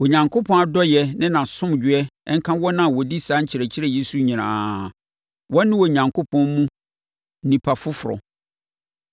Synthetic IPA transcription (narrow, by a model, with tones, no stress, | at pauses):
o˨ɲã˨ŋkʰo˦pʰɔ̃˦a˨dɔ˦jɛ˨nɪ̃˦nã˨sʊ̃˦md͡ʑᶣɪ˨˦ɛ˦ɛ˦ŋ̩˦kʰã˦wɔ˦nã˨wɔ˨di˦sa˦ɲ̩˦t͡ɕʰɪ˨ɾɛ˨t͡ɕʰɪ˦ɾɛ˦˨je˦su˦ɲĩ˨nã̰ː˨ | wɔ̃˦nːɪ̃˦wɔ˨ɲã˨ŋkʰo˦pʰɔ̃˦nmũ˦ | nĩ˨pʰa˨fʊ˦fʊ˨ɾɔ̰˨